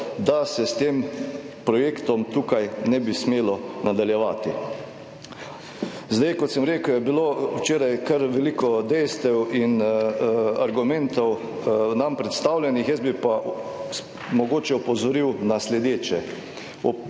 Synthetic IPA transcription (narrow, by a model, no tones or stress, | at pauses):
d̪asɛst̪eːm | pɾɔjeːkt̪ɔmt̪uːkajnɛbismeːlɔnad̪aljɛʋaːt̪i | zd̪ajkɔt̪sɛmɾeːkwjɛbilowt͡ʃeːɾajkɐɾʋɛliːkɔd̪ɛjst̪ɛwin | aɾɡumɛnt̪ɔw | nampɾɛt̪st̪aːwlʲjɛnixjɛzbipa | mɔɡoːt͡ʃɛupɔzɔɾiwnaslɛd̪eːt͡ʃɛ | ɔ